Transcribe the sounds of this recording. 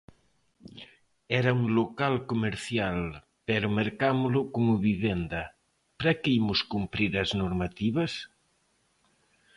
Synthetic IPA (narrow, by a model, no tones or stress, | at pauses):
ɛɾɐuŋlokalkomeɾθjal | pɛɾʊmeɾkamʊlʊkomʊβiβend̪ɐ | pɾɛkɪimʊskumpɾiɾɐznoɾmat̪iβɐs